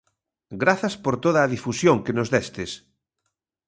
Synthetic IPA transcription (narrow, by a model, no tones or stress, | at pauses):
ɡɾaθaspoɾt̪oð̞aːð̞ifusjoŋkenozðɛst̪es